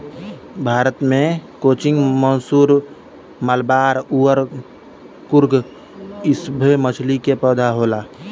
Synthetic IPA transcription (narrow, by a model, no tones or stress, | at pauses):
bʱaːɾət̪mẽkoːt͡ʃɪ̃ŋɡmənsuːɾ | məlbaːɾuːəɾ | kʊɾɡ | ɪsbʱemət͡ʃʰlikepəːd̪ʱaɦoːlaː